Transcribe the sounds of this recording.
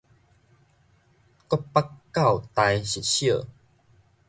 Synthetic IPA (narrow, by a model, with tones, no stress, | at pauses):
kɔ˦pːa˦kːa˥˨wt̪a˧jɕi˨t̪̚ɕjə˥˨